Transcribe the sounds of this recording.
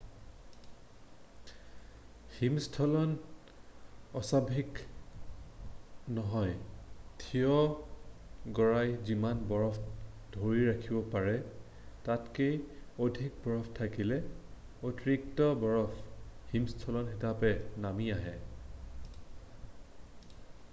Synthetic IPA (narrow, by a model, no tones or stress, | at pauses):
himstʰɔlɔn | ɔsabʱik | nɔɦɔjtʰijɔ | ɡɔɹajzimanbɔɹɔpʰ | d̥ʱoɹiɹakʰibɔpaɹɛ | tatkejodʱik̚bɔɹɔpʰtʰakilɛ | otɹiktɔbɔɹɔpʰhimstʰɔlɔnxitapɛnamiaɦɛ